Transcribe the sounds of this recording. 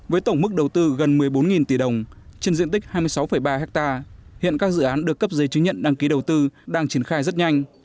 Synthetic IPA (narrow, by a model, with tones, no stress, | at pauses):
vəː˨˦jt̪ə˧˩wŋ͡mmɨ˦˥k̚ɗə˨˩wt̪ɨ˧ɣə˨˩nmɨ˨˩əjɓo˨˦nŋi˨˩nt̪i˧˩ɗə˨˩wŋ͡mt͡ɕe˧nzḭ˧ənt̪i̟˦˥haː˧jmɨ˧əjsa˨˦wfə˧˩jɓaː˧ɦɛ˦˥k̚t̪aː˧hḭ˧˨ənkaː˦˥k̚zɨ̰˧˨ʔaː˨˦nɗɨ˨˩əkːə˦˥p̚zəː˨˦jt͡ɕɨ˨˦ŋɲə̰˧˨nɗaː˧ŋki˨˦ɗə˨˩wt̪ɨ˧ɗaː˧ŋt͡ɕi˧˩ənxaː˧jzə˦˥t̚ɲa˧jŋ̟